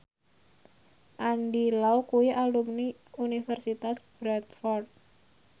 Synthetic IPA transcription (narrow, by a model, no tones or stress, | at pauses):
ʔanɖilaukuwiʔalumni | unifɛrsit̪asb̥ɾɛt̪fɔrt̪̚